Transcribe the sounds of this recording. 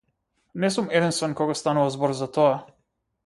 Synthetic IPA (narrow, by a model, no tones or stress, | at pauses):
nɛsumɛd̪inst̪vɛnkɔɡɔst̪anuvazbɔɾzat̪ɔa